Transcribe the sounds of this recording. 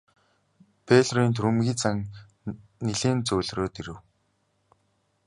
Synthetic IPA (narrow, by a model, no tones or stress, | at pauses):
pʰeɮriːnt̪̬ʰɾɵmɣʲiːt͡saŋ | niɮeːnt͡sɵːɮroːt̪iɾɘ̆w